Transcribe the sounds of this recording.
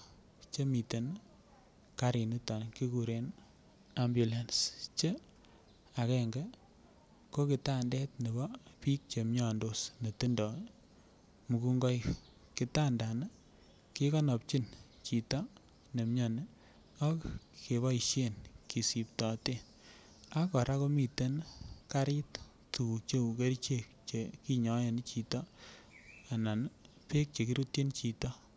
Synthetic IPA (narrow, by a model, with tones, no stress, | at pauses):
t͡ʃe˦mi˨te˨n | ka˦ɾi˨nu˦tɔ˨nki˦ku˨ɾe˨n | a˦mbju˨la˨nst͡ʃe˦ | a˨kɛ˦ŋɡɛ˦ | ko˦ki˨ta˦ndɛ˦tne˨bɔ˦pi˦k̚t͡ʃe˨mɲa˨ndo˦sne˨ti˦ndɔ˨ | mu˨ku˦ŋɡɔ˦j | ki˨ta˦nda˨na˦ | ki˦kɔ˦nɔ˨p̚t͡ʃi˦n | t͡ʃi˨tɔ˦ | ne˨mɲɔ˨n˦ | ɔ˦kke˨βɔ˦iʃe˦nki˨si˨p̚tɔ˨te˦ | a˦kɔ˨ɾa˦ko˦mi˨te˦nka˦ɾɪ˦t | tu˨ku˨k̚t͡ʃe˦u˨ke˦ɾt͡ʃe˦k̚t͡ʃe˨ki˦ɲɔ˨˦je˨n˦t͡ʃi˨tɔ˦ | a˨na˨n | pe˦k̚t͡ʃe˨ki˦ɾu˦tji˦nt͡ʃi˨tɔ˦